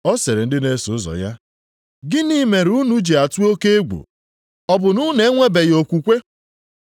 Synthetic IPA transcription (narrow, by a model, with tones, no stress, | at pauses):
ɔ˦se˨ɾe˨n̩˦dɪ˦ne˦sʊ˨˦zɔ̰˨ja˦ | ɡɪ˦ni˦me˨ɾu˦nu˦d͡ʒi˨a˨tu˦o˦ke˦e˦ɡʷṵ˨ | ɔ˦bʊ˨nʊ˦ne˦ŋʷe˦be˨jo˨kʷu˨kʷe˦